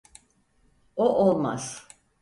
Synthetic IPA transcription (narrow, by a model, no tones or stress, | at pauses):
oʔolˠma̰z̥